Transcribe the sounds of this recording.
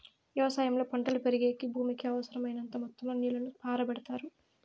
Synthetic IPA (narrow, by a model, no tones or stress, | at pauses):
ʋjɛʋɐsaːjɐmlo̞ːpoɳʈɐlupeɾiɡeːkibʱuːmikiɐʋɐsɐɾɐmɐjnɐnt̪ɐmɔt̪ːɐmɐniːlɐnupaːɾɐbɐɽɐt̪aːɾu